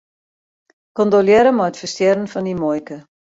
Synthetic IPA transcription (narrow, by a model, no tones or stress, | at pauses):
kɔndoljɛɾəmɔətfəstjɛɾənfɔndimɔjkə